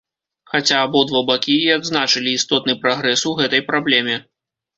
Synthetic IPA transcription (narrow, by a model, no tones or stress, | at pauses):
xat͡sʲaːbɔd̪vɔbakʲiiad̪znat͡ʂɨlʲiːst̪ɔt̪nɨpɾaɣɾɛsuɣɛt̪ɐjpɾablʲɛmʲɛ